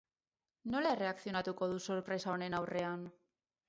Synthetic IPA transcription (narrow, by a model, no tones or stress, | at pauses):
no̞leere̞akθio̞nat̪uko̞ðuso̞ɾpɾe̞sao̞ne̞nawre̞an